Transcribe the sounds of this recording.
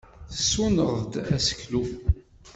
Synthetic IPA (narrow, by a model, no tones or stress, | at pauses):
θəsːunəʁd̪æsə̥klu